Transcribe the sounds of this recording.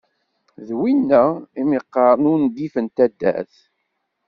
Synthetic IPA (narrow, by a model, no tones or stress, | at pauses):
ðwinːæimiqːɑɾˤnʊnd̪ifənt̪æd̪ːæ̰θ